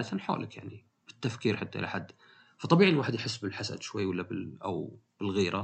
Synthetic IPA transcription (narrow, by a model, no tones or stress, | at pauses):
dθanħo̰ːlʔɪkjaʕni | b̥ɪt̪ːafkiːɾħat̪ːaʔɪ̰la̰ħad̪ː | fɑt̪ˤːɑbiːʕnwaːħɪd̪jħɪsːbɪlħasa̰d̪ʃwajːwalːabɪʔa̰w | b̥ɪlɣiːɾa